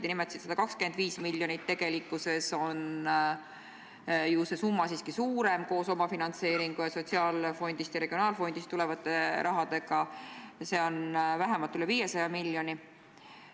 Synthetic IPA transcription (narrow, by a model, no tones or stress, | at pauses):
d̪inimet̪ɑsit̪sɑd̪̥ɑkɑkskend̪viːsmilʲjo̞nit̪ːe̞ɡ̥e̞likːˑuse̞so̞n | juːse̞sumːɑsiːskisuːɾe̞mko̞ːso̞mɑfinɑnt̪se̞ːɾiŋɡ̥ujɑso̞t̪ʲsiɑːlfo̞nʲd̪̥ist̪jɑɾe̞ɡ̥io̞nɑːlfo̞nʲd̪̥ist̪ːulevɑt̪ːˑe̞ɾʔɑɦɑd̪̥e̞ɡ̥ɑse̞ːo̞nvæɦemɑlt̪ːˑyleviːje̞sɑjɑmiljo̞ni